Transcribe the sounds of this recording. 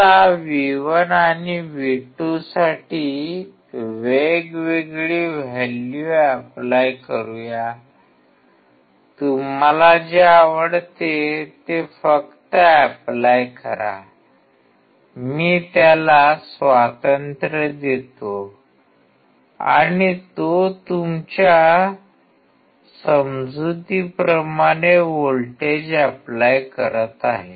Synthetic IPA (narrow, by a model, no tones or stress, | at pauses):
aʋiʋənaniʋiʈusaʈiː | ʋeɡʋeɡɭiːʋeljuæplajkəɾuja | t̪um̤alad͡ʑeaʋəɽt̪et̪efəkt̪əæplajkəɾa̰ | miːt̪jalasʋat̪ənt̪ɾəd̪et̪o | a̰ɽ̃it̪ot̪umt͡ɕja | səmd͡zut̪ipɾəmaɽ̃eʋolʈed͡ʑəplajkə̰ɾət̪aɦe